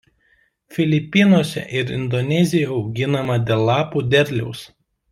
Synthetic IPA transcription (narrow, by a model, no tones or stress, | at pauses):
fʲɪlʲɪpʲɪnoːsʲɛ̰ʔɪɾɪ̰nd̪ɔnʲɛzʲɪjoʊɡʲɪnɐmɐd̪ʲɛlˠːɑːpuːd̪ʲɛɾʲlʲɛʊs